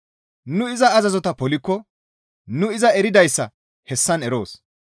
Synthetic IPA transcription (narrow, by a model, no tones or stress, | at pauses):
nʊɪzɐːzɐzɔt̪ɐpɔlɪkːɔ | nʊɪzɐɛɾɪd̪ɐjsːɐ | hɛsːɐnɛɾo̞̰ːs